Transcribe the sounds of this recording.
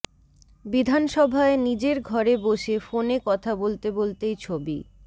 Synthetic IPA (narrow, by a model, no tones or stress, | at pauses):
bid̪ʱanʃɔbʱaenid͡ʑeɾɡʱɔɾeboʃefonekɔt̪ʰabolt̪ebolt̪ejt͡ɕʰobḭ